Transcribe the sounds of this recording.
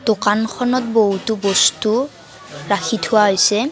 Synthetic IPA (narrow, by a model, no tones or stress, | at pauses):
d̥okankʰɔnɔt̚boɦutubɔstu | ɹakʰitʰʊwaɦojsɛ